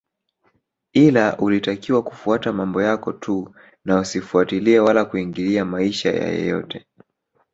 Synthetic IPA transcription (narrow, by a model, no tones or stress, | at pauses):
ilaʔulitakiwaku̥fuatamambɔjakɔtʰu | nausifuatiliɛwalakuiŋɡiliamaiʃa̰ja̰jɔ̰jɔ̰tɛ